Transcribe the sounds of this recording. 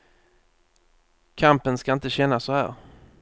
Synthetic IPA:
kʰampənskaɪnt̪əɕɛnːasɔhæ̰ːɾ

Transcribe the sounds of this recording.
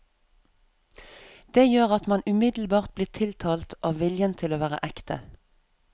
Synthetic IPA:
d̪̥eːjøːʁɑt̪mɑnʉmɪd̪l̩bɑːʁt̪̚bliːʁt̪ʰɪlt̪ʰɑːlt̪ʔɑːʋʋɪljənt̪ʰɪloːʋæːʁə̰ʔɛkt̪ə̰

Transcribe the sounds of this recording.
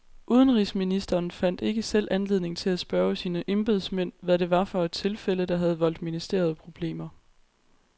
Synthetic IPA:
ʔuːð̞ˠənʁisminisd̥ɐːnfæn̰d̥e̝ɡ̥əsel̰ʔænle̝ðˠne̝ŋt͡sʰe̝læsb̥ɶːɐsiːnəʔe̝mb̥e̝ð̞ˠsmen̰ʋæɾ̥e̝ʋɑ̈fɒ̽ed̥̚t͡sʰe̝lfeləd̥ɑ̈ɦæð̞ˠʋɒ̽l̰d̥minisd̥e̝ːɐð̞̩ˠpʰʁo̝b̥le̝̰ːmɐ

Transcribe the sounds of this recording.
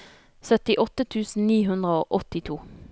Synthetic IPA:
sœt̪ɪʔɔt̪ət̪ʰʉːsn̩niːɦʉnd̪ʁəoːʔɔt̪ɪt̪ʰuː

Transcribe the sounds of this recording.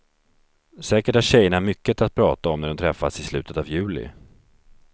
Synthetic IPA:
sɛːkəʈhaɕɛjːəɳamʏkːət̪at̪̚pʰɾɑːt̪aɔmnæɖɔmt̪ʰɾɛfːasɪslʉ̟ːt̪ʰət̪avjʉ̟ːlɪ̰

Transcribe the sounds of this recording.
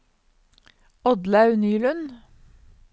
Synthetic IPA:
ɔd̪lɑʉnyːlʉn

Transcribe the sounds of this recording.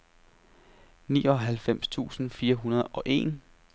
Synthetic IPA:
niːɒ̽ɦælfem̰st͡sʰṵːsn̩fiːɐɦunɐð̞ˠɒ̽ʔe̝̰ːn

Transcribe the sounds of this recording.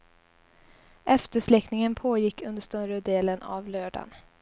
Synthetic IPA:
ʔɛft̪əʂlɛknɪŋənpʰoːjɪkʰːɵnd̪əʂt̪œɾəd̪eːlənʔa̰vlœːɖa̰n

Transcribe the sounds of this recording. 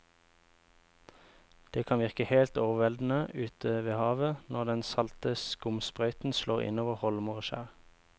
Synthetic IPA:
d̪̥eːkʰɑnʋɪʁkəheːlt̪oːʋəʋɛld̪n̩əʉːt̪ʰəʋeːhɑːʋənɔʁd̪ɛnsɑlt̪əskʊmspʁœʏt̪n̩ʃloːʁɪ̰noːʋəʁhɔlmʊʁəʃæ̰ːʁ

